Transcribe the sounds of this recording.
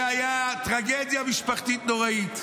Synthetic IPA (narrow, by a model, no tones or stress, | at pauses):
ajat̪ɾaɡɛd̪jamiʃpɐɾt̪it̪̚d̪oʁɐit̪